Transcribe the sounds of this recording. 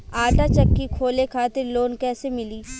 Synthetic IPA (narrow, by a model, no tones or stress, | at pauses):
aːʈat͡ʃɐkːikʰoːlekʰaːt̪ɪɾloːnkɛːsemɪliː